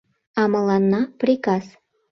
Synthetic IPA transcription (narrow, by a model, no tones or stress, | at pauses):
ɑmɤlɑnːɑprʲikɑs